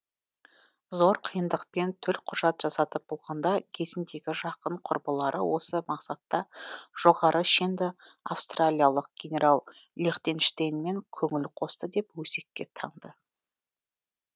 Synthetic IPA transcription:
zo̞ɾqʰijənd̪əqpe̞nt̪ʰɵlqʰʊʒɑt̪ʒ̥ɑsɑt̪əp̚b̥o̞lˠʁɑnd̪ɑkʲʰe̞zɪnd̪e̞ɡʲɪʒɑqəɴqʰʊɾbəlˠɑɾʔə̰wʔo̞səmɑqsɑt̪ːɑʒ̥o̞ʁɑɾʔəʃend̪ɪa̰fst̪ralʲijalˠəq̚ɡ̥ʲe̞nʲe̞ɾʔalˠlʲeχt̪e̞nʃt̪ejnme̞ŋkʲʰɵŋɪlqʰo̞st̪əd̪e̞pwɵse̞kʲːe̞t̪ʰɑɴd̪ə

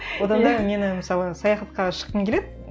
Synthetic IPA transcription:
wod̪ɑnd̪ɑme̞nɪmɪsɑlˠəsɑjɑχɑt̪qɑʃə̥q̪ːəŋkʲeled̪ɪ

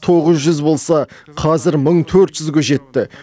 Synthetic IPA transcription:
t̪ʰo̞ʁəzʒʏzbo̞lˠsɑqʰɑzɪɾməɴt̪ʰɵɾt̪ʒ̥ʏzɡʲeʒe̞t̪ːɪ

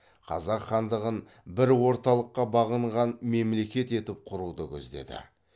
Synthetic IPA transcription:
qʰɑ̰zɑqχɑnd̪əʁən | bɪɾwo̞ɾt̪ɑlˠəqːɑbɑʁəɴʁɑnme̞mle̞kʲe̞t̪e̞t̪ɪp̚qʰʊɾud̪əkʲʰɵ̰zd̪e̞̰d̪ɪ̰

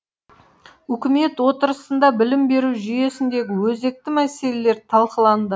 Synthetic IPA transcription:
ʏkʲɪme̞t̪wo̞t̪əɾəsənd̪ɑbɪlɪmbe̞ɾuwʒʏje̞sɪnd̪e̞ɡʲɪwɵzd̪e̞k̚t̪ɪmæse̞le̞le̞ɾt̪ʰɑlˠqəlˠɑnd̪ə

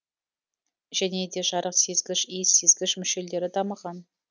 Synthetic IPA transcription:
ʒæne̞d̪e̞ʒɑɾəqse̞zɡʲɪʃijse̞zɡʲɪʃmʏʃe̞ld̪e̞ɾɪd̪ɑməʁɑn

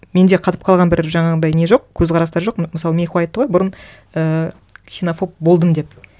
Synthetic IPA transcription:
me̞nd̪e̞qʰɑt̪ə̥p̚qʰɑlˠʁɑnbɪɾʒɑɴɑʁd̪ɑjne̞ʒo̞qkʲʰɵzʁʰɑɾɑst̪ɑɾʒo̞qməsɑlˠəme̞nxuɑjt̪ːəʁo̞jbʊɾən | ə | ksʲinofo̞p̚bo̞lˠd̪əmd̪e̞p̚

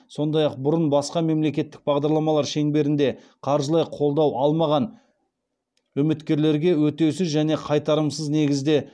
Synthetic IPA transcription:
so̞nd̪ɑjɑq̚bʊɾənbɑsqɑme̞mle̞kʲe̞t̪ːɪk̚bɑʁd̪ɑɾlˠɑmɑlˠɑɾʃe̞ŋbe̞ɾɪnd̪e̞ | qʰɑɾʒəlˠɑjqʰo̞lˠd̪ɑwʔɑlˠmɑʁɑn | wɵmɪt̪kʲe̞ɾle̞ɾɡʲe̞wɵt̪e̞wsɪzʒæne̞qʰɑjt̪ɑɾəmsəzne̞ɡʲɪzd̪e̞

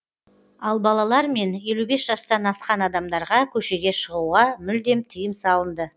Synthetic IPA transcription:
ɑlˠbɑlˠɑlˠɑɾme̞nje̞lube̞sʒɑst̪ɑnɑsqɑnɑd̪ɑmd̪ɑɾʁɑkʲʰɵʃe̞ɡʲe̞ʃəʁuʁɑmʏld̪e̞mt̪ʰijəmsɑlˠənd̪ə

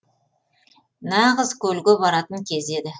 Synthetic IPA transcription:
nɑʁəzkʲʰɵlɡʲɪbɑɾɑt̪əŋkʲʰe̞ze̞d̪ɪ

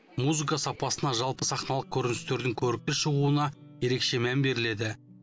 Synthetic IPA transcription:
muzɨkɑsɑpɑsənɑʒɑlˠpəsɑχnɑlˠəq̚kʲʰɵɾɪnɪst̪e̞ɾd̪ɪŋkʲʰɵɾɪk̚k̪ʲɪʃəʁuənɑje̞ɾe̞kʃe̞mæmbe̞ɾɪle̞d̪ɪ

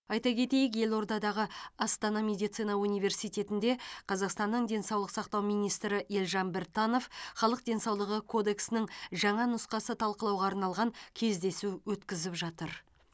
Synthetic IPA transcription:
ɑjt̪ɑkʲʰe̞t̪e̞jɪk̬je̞lˠo̞ɾd̪ɑd̪ɑʁəɑst̪ɑnɑmʲe̞d̪ijt̪sɨjnɑunijve̞ɾsijt̪ʲe̞t̪ɪnd̪e̞qʰɑzɑqst̪ɑnːəɴd̪e̞nsɑwlˠəqsɑqt̪ɑwmijnijst̪ɾɪʔe̞lʒɑnbeɾt̪ːɑno̞fχɑlˠəq̚d̪ʲe̞nsɑwlˠəʁəkʰo̞d̪e̞ksɪnɪŋʒɑɴɑnʊsqɑsət̪ʰɑlˠqəlˠɑwʁɑːɾnɑlˠʁɑŋkʲʰe̞zd̪e̞suwɵt̪kʲɪzɪpʒɑt̪əɾ

